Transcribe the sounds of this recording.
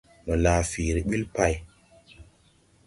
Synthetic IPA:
mə˨laː˨fi˨ɾi˨ɓi˦lpa˦˨j

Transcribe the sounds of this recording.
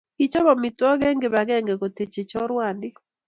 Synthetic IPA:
i˦t͡ʃɔ˦ba˨mi˨tɔ˦ɡɛ˦ŋɡe˨ba˨ɡɛ˦ŋɡe˨ɡo˨te˨t͡ʃe˨t͡ʃɔ˦ɾwa˨ndɪ˦

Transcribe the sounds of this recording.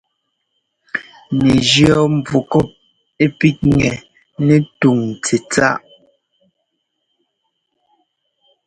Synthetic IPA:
ne˨d͡ʒjɔ˦˨m˨b͡vu˨kɔ˦˨p̚ | e˦pi˦t̚ŋɛ˨ | nɛ˦tu˨ŋt͡se˨t͡sa̰˦ʔ

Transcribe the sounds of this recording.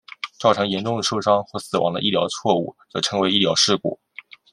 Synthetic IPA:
ʈ͡ʂɑ˥˩ʊʈ͡ʂʰɤ˧˥ŋjɛ˧˥nʈ͡ʂʊ˥˩ŋd̪ə˩ʂo˥ʊʂɑ˥ŋxwɔ˥˩sɹ̩˨˩wɑ̰˧˥ŋdə̰˧ʔi˥˩ljɑ˧˥ʊt͡sʰwɔ˥˧ṵ˥˩t͡sɤ˧˥ʈ͡ʂʰɤ˧˥ŋwe˧˥ɪi˥˩jɑ˧˥ʊʂɻ̩˥˩kɔ̰˨˩˦

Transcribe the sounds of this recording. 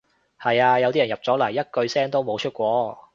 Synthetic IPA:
hɐ˨jaː˧jɐ˨˧wt̪i˥jɐ˨˩njɐ˨p̚t͡sɔː˨˥lɐ˨˩jːɐ˥t̚kɵ˧ɥsɛː˥ŋt̪o˥wmo˨˧wt͡ʃʰɵ˥t̚kʷɔː˧˥

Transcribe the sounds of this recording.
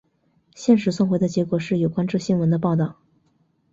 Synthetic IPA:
ɕjɛ˥˩˧nʂ̬ɻ̩˧˥swŋxwe˧˥ɪd̪ə˧t͡ɕjɛ˧˥kwɔ˨˩ʂɻ̩˥˩jo˨˩ʊkwa˥nʈ͡ʂɤ˥˧ɕi˥nwə˧˥nd̪ə˧p̬ɑ˥˧ʊt̪ɑ˥˩ʊ

